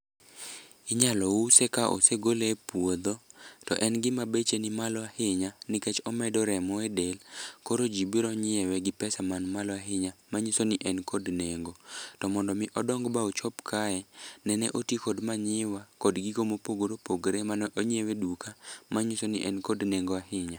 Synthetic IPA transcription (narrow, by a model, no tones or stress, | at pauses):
ɪɲalɔusɛkaʔo̰seɡolepwod̪otɔ̰ʔɛnɡɪmabet͡ʃenɪmalɔahɪɲanɪkɛt͡ʃɔmɛdɔɾɛmɔɛdɛlkoɾod͡ʒibiɾɔɲɪɛwɛɡɪpɛsamanmalɔaɦɪɲamaɲisonɪʔɛnkɔdneŋɡotɔmɔndɔmɪʔɔdɔŋɡbaot͡ʃɔpkʰaɛnɛnɛʔotikɔdmaɲɪwakɔdɡikomopoɡoɾopoɡɾemanʔoɲɛwɛdukʰamaɲisoniʔɛnkodneŋɡoahɪɲa